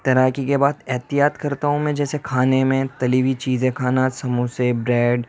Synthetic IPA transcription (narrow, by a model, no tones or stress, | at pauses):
t̪ɐɾaːkikebaːd̪ɛɦt̪ijaːt̪kɐɾt̪aɦũmɛ̃d͡ʒɛːsekʰaːnemẽt̪ɐliʋit͡ʃiːzẽkʰaːnasɐmusebɾɛːɖ